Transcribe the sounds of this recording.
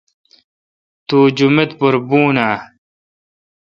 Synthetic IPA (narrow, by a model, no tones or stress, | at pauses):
t̪uːd͡ʑumet̪puɾbuːnaː